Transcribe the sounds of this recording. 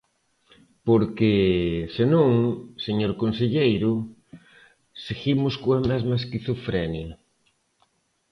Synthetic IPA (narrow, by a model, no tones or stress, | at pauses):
poɾkesenõŋseɲoɾkonseʎejɾʊ | seɣimʊskoɐmɛzmɐeskiθufɾɛnjɐ